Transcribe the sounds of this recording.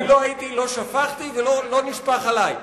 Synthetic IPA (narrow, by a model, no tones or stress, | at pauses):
lo̞ajit̪ilo̞ʃafaχt̪ivelolo̞niʃpaχalaj